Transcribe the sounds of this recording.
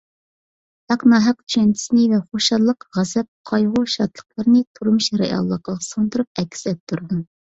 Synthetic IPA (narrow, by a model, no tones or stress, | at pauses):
hæqnɑːɦæq̚t̪ʰy̥ʃɛnt͡ʃʰi̥snɪvɛχoʃɑlˠːəqʁæzɛp̚qʰɑjʁʊʃɑt̪lˠə̥qlˠəɾɨnɨt̪ʰuɾmuʃɾejɑ̰lˠːəqɑʁɑsɑnt̪uɾup̚ɛkʲːsɛp̚t̪ʰuɾd̪u